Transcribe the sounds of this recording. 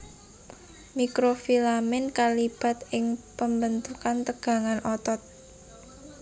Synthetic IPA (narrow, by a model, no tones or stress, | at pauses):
mikɾofilamɪnkalib̥a̤t̪ɪŋpəmbənt̪ukant̪əɡ̥a̤ŋanɔt̪ɔt̪̚